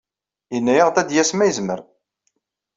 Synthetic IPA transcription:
jənːæjəʁd̪æd̪jæsmæjəzməɾ

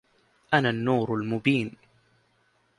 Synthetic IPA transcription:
ʔanaːnːuːɾalmʊbiːn

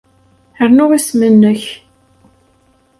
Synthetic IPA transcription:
əɾnʊʁismənːəç

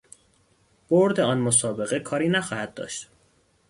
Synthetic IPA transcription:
b̥oɾd̪eɒːnmosɒːbe̞ɣe̞kʰɒːɾiːnæxɒːhæd̪̚d̪ɒ̰ːʃt̪

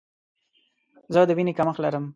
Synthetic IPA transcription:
zəad̪əwinekaməxlaɾəm

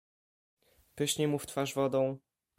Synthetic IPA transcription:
pɘɕɲɛmuft̪faʐvɔd̪ɔ̃w̃

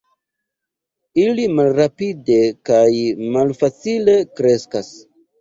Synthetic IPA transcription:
ilimalɾapide̞kajmalfat͡sile̞kɾe̞skas

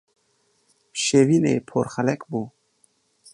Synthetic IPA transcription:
ʃeviːnḛjpʰoɾxɛlɛkbuː

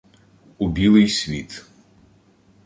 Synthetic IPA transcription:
ubʲilˠɪjsʲʋʲit̪

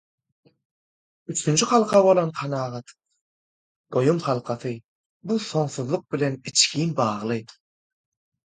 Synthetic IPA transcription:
yt͡ʃʰynd͡ʒyχɑlˠqʰɑβo̞lˠonqʰɑnɑːʁɑt̪ | d̪̥o̞jumχɑlˠqʰɑθɯ | buθo̞ɴθuðlˠuq̚bile̞nit͡ʃkiːnbɑːʁlˠɯ

